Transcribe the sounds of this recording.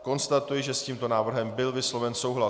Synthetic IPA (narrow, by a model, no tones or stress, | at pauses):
ko̞nst̪at̪ujɪʒɛsciːmt̪o̞naːvr̩ɦɛmbɪlvɪslo̞vɛnsowɦla